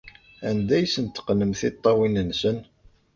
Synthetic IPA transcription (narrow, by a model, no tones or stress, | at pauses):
ænd̪æjsənt̪ːə̥qnəmθɪt̪ˤːɑwinənsən